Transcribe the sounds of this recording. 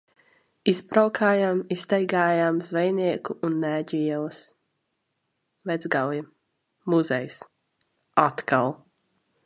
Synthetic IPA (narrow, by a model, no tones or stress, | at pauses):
isbɾawkʰaːjamist̪ɛjɡaːjamzvɛjniɛkuʔːnːæːɟiɛlˠɐs | vɛd̪zɡalji | muzɛjs | at̪kalˠ